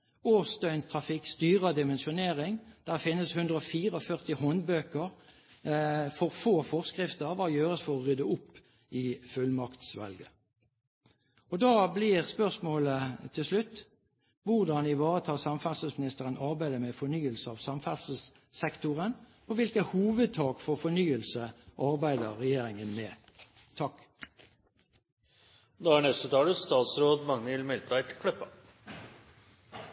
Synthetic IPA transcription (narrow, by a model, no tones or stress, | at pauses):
oːst̪œʏnst̪ʰʁɑfɪkst̪yːʁəd̪ɪmɛnʃʊneːʁɪŋd̪̥æʁfɪnːəshʉnd̪ʁəɔfiːʁəɔfœʁt̪ɪhɔnbøːkəʁ | fɔʁfoːfɔʁskʁɪft̪əʋɑːjøːʁəsfɔʁɔʁʏd̪əʊpː | ɪfʉlmɑkt̪sʋɛ̰lɡə | ɔd̪ɑːblɪʁspœʁsmoːlət̪ʰɪlslʉt̪ː | ʋʊʁd̪ɑnɪʋɑːʁət̪ʰɑːsɑmfæʁsəsmɪnɪst̪əʁənɑʁbæɪd̪əmɛfɔnyːəlsəɑːʋsɑmfæʁsəs | sɛkt̪ʊʁən | oʋɪlkəhuːʋəd̪̚t̪ʰɑːkfoːfɔnyːəlsəʔɑʁbæɪd̪əʁʁɛjeːʁɪŋənmɛː | t̪ʰɑk | d̪ɑːæɳɛst̪ət̪ʰɑːləst̪ɑːt̪sɾoːd̪mɑŋnɪlmɛlt̪ɾɑɪt̪kʰlœpːɑ